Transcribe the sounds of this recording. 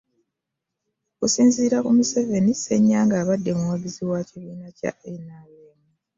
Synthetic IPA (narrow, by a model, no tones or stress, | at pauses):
okusiːnziːɾakumuseve̞nise̞ɲːaːŋɡaːβadːe̞muwaɡiziwaciβiːnaca̰ʔenaweːmu